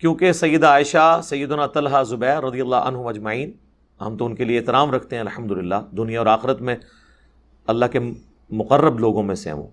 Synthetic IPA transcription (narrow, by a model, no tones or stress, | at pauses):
kjõːkesɐjːəd̪aːɪʃasɐjːəd̪ʊnat̪ɐlɦazʊbɛːɾːɐd̪ijɐlːaɐ̰nɦʊmɐd͡ʒmɐiːn | ɦɐ̰̃mt̪oʊnkelieːt̪ɪɾaːmɾɐkʰt̪eɦɛ̃ɐlħɐmd̪ʊlɪlːaːd̪ʊnijaɔːɾaːxɪɾət̪mẽ | ɐlːaɦke | mʊqərːəbloːɡõmẽsḛɦʋo̰ː